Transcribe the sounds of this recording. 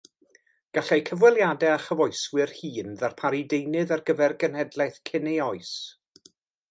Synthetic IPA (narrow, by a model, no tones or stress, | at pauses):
ɡ̥aɬejkʰəvwɛlˠjadɛaχəvɔɨswɪrhiːnðarpʰaɾidejnɨðarɡəvɛrɡənhɛdlˠajθkʰɪnejɔɨs